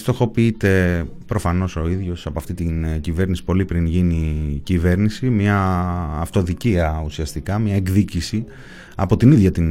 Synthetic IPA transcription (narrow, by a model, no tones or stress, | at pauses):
st̪o̞xo̞piit̪e̞ | pɾo̞fɐno̞so̞iðʝo̞sɐpo̞ɐft̪it̪inɟive̞ɾnisi̥po̞lipɾinʝinicive̞ɾnisimɲɐːft̪o̞ðiciɐusiɐst̪ikɐmɲɐeɡðicisi | ɐ̰po̞t̪iniðʝɐt̪in